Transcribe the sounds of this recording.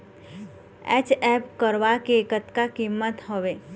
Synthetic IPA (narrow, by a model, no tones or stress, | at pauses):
ɛ̰t͡ʃɛpkəɾʋakeːkət̪kakimːət̪ɦoʋe